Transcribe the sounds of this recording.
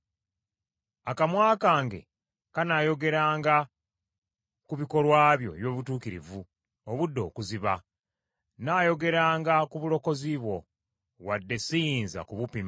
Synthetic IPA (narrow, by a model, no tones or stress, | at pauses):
akamwaːkaːŋɡe̞̰ | kanaːjo̞ɡe̞ɾaːŋɡa | kuβiko̞lwaːβjo̞̰eβjo̞ːβutuːkiɾḭvu | oβudːo̞ːkuziβa | naːjo̞ɡe̞ɾaːŋɡakuβulo̞ko̞ziβwo̞ | wadːe̞sijiːnza̰kuβupima